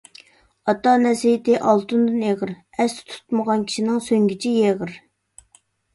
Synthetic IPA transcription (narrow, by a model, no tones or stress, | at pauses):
ɑt̪ːɑnɛsijt̪ɪʔɑlˠt̪ʰund̪ɨneʁəɾ | ɛst̪t̪ʰu̥t̪məʁɑnkʲʰi̥ʃinɪŋsøŋɡʲit͡ʃʰijeʁəɾ